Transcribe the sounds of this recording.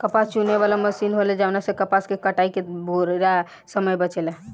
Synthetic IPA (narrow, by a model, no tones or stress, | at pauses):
kəpast͡ʃuneβalaməsinɦolɛd͡ʒeəpnasə̃kəpaskekəʈaikeboɾɾa | səməjbət͡ʃelɛ